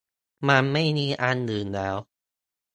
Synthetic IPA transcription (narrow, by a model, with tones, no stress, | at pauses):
ma˧nma˥˩jmiː˧ʔa˧nːɯː˨˩nlɛː˦˥w